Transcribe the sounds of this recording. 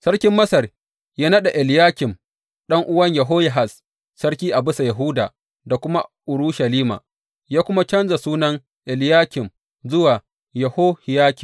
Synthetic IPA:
sɐ˦ɽkʲɪ˦mːɐ˦sɐ˨r | jaː˦nɐ˦ɗa˨ʔɛ˨ljaː˦kʲɪ˨m | ɗɐ˦ŋʔʊ˦wɐ˦ɲjɐ˨ɦoː˦jɐ˨ɦa˨s | sɐ˦rkʲiː˦ʔa˨bɪ˦sa˨jɐ˨ɦʊ˦da̰ː˨ | da˨kʷʊ˦ma˦ʔʊ˨ɾuː˦ʃɐ˨liː˦ma̰ː˨ | jaː˦kʷʊ˦ma˦t͡ʃɐ˦nza˨suː˦nɐ˦ŋ | ʔɛ˨ljaː˦kʲɪ˨m | zʊ˦waː˨ | jɐ˨hoː˦hɪ˨jaː˦kʲɪ˨m

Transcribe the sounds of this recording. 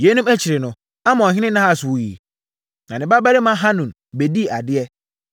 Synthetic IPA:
je˦nũ˦mæ˦t͡ɕʰi˨ɾɪ˨nʊ̃˨ | a˦mã˨ɔ̃˨ɦɪ̃˦nɪ̃˦nã˦a˨su˨wu˨ji˨ | nã˨nɪ̃˨ba˦ba˦ɾɪ˦mã˦ɦã˦nũ˨n | be˨di˦˨a˨dɪ˦ɛ˦

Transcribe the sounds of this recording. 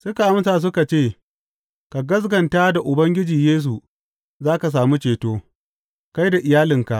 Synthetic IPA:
sʊ˦ka˨ʔa˦msaː˨s̬ʊ˦ka˨t͡ʃeː˦˨ | ka˨ɡɐ˦s̬ɡɐ˨nta˦da˨ʔʊ˨bɐ˦ŋɡʲɪ˦d͡ʒiː˨jeː˦s̬u˨ | zaː˦ka˨s̬aː˨mu˦t͡ʃeː˨toː˦ | ka˦jda˨ʔɪ˨jaː˦lɪ˨ŋka˨ʔ

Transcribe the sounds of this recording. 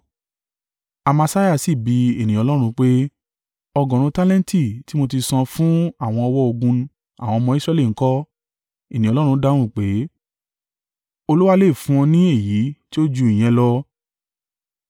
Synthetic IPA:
a˧ma˧sa˦ja˦˨si˨bi˧e˨nĩ˨ɔ˧lɔ˦ɾ̃ũ˧k͡pe˦ | ɔ˧ɡɔ̃˨ɾ̃ũ˧ta˦lɛ̃˦n˦ti˦˨ti˦mo˧ti˧sã˧fũ˦a˦˨w̃ɔ̃˧ɔ˧wɔ˦o˧ɡũ˧ | a̰˨w̃ɔ̃˧ɔ˧mɔ̃˧i˦sɾɛ˧˦li˦˨ŋ̩˦kɔ˦ | i˦˨nĩ˨ɔ˧lɔ˦ɾ̃ũ˧˦da˧˦˨w̃ũ˦˨k͡pe˨˦ | o˧lu˦wa˦le˦˨fũ˦ɔ̃˧nĩ˦e˦˨ji˨˦ti˦o˦d͡ʒu˧i˨j̃ɛ̃˧˦lɔ˦

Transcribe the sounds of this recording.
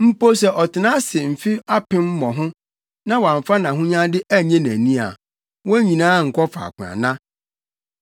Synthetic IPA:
m̩˦po˦s̬ɛ˨ʔɔ˨tʰɪ˨nã˦sɪ˨m̩˨fi˦a˦pɪ̃˦m̩˦mɔ̃˨ɦʊ̃˦ | nã˦wã˨ɱ˨fa˦nã˨ɦʊ̃˦ɲã˦dɪ˦ʔæ˦ɲɛ̃˦næ̃˨nĩ˦a̰˨ | wɔ̃˦ɲĩ˨nãː˦ŋ̩˨kʰɔ˦fa̰˨kʷʰʊ̃˨a̰˨nã˦

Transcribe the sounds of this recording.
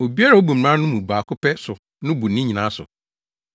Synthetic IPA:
o˨bi˦a˦ɾa˨o˦bu˨m̩˨ã˦nʊ̃˦mũ˨baː˨kʰʊ˦pʰɛ˦sʊ˨ | nʊ̃˦bu˨nĩ˦ɲi˨nã˨˦sʊ̰˨

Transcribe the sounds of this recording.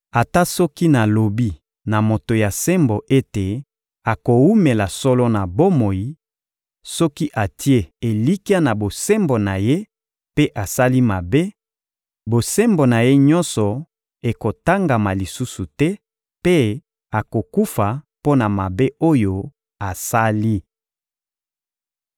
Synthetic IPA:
a˨ta˦sɔ˦ki˦na˨lo˨bi˦ | na˨mo˨to˨ja˨se˦mbo˨ʔe˦te˨ | a˨ko˨wu˦me˨la˨sɔ˦lɔ˦na˨bo˦mo˨ji˨ | sɔ˦ki˦ʔa˨ti˦e˦e˨li˦ki˦a˦na˨bo˨se˦mbo˨na˨je˦ | pe˦ʔa˨sa˦li˦ma˨be˦ | bo˨se˦mbo˨na˨je˦ɲɔ˦nsɔ˨ | e˨ko˨ta˦ŋɡa˨ma˨li˨su˦su˨tɛ˦ | pe˦ | a˨ko˨ku˦fa˨ | po˦na˨ma˨be˦ʔo˦jo˦ | a˨sa˦li˦

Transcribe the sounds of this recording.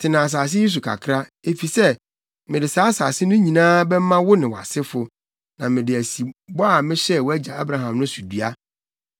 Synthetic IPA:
tʰɪ˨nã˨a˨s̬aː˨s̬ɪ˦je˦s̬u˨kʰa̰˨kʰɾa˦e˨fi˨sɛ˦ | mɪ̃˨dɪ˨saː˨˦saː˨sɪ˦nʊ̃˦ɲĩ˨nãː˦bɛ˦m˦mã˦wʊ˦nɪ̃˨wa̰˨sɪ˦fʊ˨ | nã˨mɪ̃˨dɪ˨æ˨si˨bɔ˦a˨mɪ̃˦ɕɛ˦˨wɔ˦æ˦d͡ʑa˨a˦bɾa˨ɦã˨mnʊ̃˦su˨dɥa˦

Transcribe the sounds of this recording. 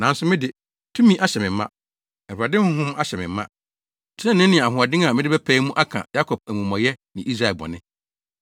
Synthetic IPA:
nã˨n˦sʊ˦mɪ̃˦dɪ˨ | tʰũ˦mĩ˦ʔa˦ɕɛ˨mɪ̃˨˦mːã̰˦ | ɛ˨a˨dɪ̃˦hʊ̃˦ɦʊ̃˦m˦a˦ɕɛ˨mɪ̃˨m˦mːã̰˦˨ | tʰɛ̃˦nɪ̃˦nɪ̃˨a˨ɦʊ˨a˨dɪ̃˦ŋa˨mɪ̃˦dɪ˦bɛ˦pʰæ˦mũ˦ʔa˦kʰã̰˨ja˦kʰɔ˨b̚æ˨mũ˨mɔ̃˨jɛ˦nɪ̃˨i˦s̬ɾa˨ɛ˨bɔ̰˨nɪ̃˦

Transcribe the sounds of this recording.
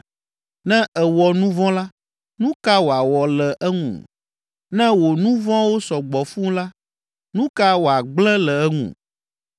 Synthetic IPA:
nɛ̃˦ʔɛ˨wɔ˨nũ˦vɔ̃˦la˦ | nũ˦ka˦wo˨a˨wɔ˨lɛ˨ʔɛ˦ŋṵ̃˨ | nɛ̃˦wo˨nũ˦vɔ̃˦wo˦sɔ˨ɡ͡bɔ˨fũ˦la˦ | nũ˦ka˦wo˨a˨ɡ͡blɛ̃˦lɛ˨ɛ˦ŋṵ̃˨

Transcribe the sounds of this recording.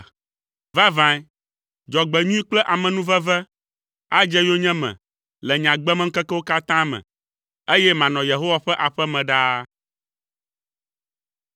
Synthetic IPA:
va˦vã˨˦ | d͡ʒɔ˨ɡ͡bɛ˨ɲũ˦i˦k͡plɛ˦ʔa˨mɛ̃˨nũ˦vɛ˦vɛ˦ | a˦d͡ʒɛ˦jo˦ɲɛ̃˦mɛ̰̃˨ | lɛ˨ɲã˨ɡ͡bɛ˦mɛ˦ŋ̩˦kɛ˦kɛ˦wo˦ka˦t̪ã˦mɛ̰̃˨ | e˦jɛ˦mã˨nɔ̃˨je˨ɦo˦wa˦ɸɛ˦ʔa˨ɸɛ˦mɛ̃˨ɖa˦

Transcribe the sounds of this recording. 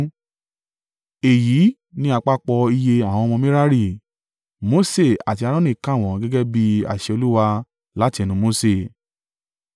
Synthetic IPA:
e˨ji˨˦ | nĩ˧˦a˧k͡pa˦k͡pɔ˧i˧je˧a˦˨w̃ɔ̃˧ɔ̃˧mĩ˦ɾa˦ɾi˦˨ | mo˨˦se˦˨a̰˨ti˧a˧ɾɔ̃˦nĩ˦˨kã˦˨w̃ɔ̃˨˦ɡɛ˦ɡɛ˦bi˦a̰˦˨ʃɛ˧o˧lu˦wa˧ | la˨˦ti˧ɛ˧nũ˨˧mo˨˧se˦˨

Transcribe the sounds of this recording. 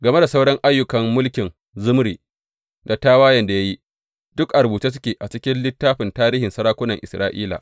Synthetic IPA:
ɡɐ˨me˦da˨sa˦wɽɐ˦ŋʔa˦jːʊ˨kɐ˨mːʊ˦lkʲɪ˨n | zʊ˦mɽiː˨ | da˨taː˦waː˦jɐ˨nda˨ja˦ji˦ | d̥ʊ˦kʔa˨ɾbuː˨t͡ʃiː˦s̬ʊ˦kʲeː˨ʔa˨t͡ʃɪ˦kʲɪ˦nlɪ˦tːaː˦ɸɪ˨ntaː˦ɾiː˦hɪ˨nsɐ˦ɾaː˦kʷʊ˦nɐ˨ŋʔɪ˨sɾaː˦ʔiː˦la̰ː˨ʔ

